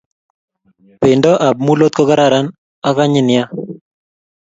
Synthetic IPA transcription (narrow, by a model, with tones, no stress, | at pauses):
pɪ˨ndɔ˦ʔa˨b̚mu˦lo˦t̪̚kɔ˦ka˦ɾa˦˨ɾa˦n | a˦ka˦ɲɪ˦nɪja˦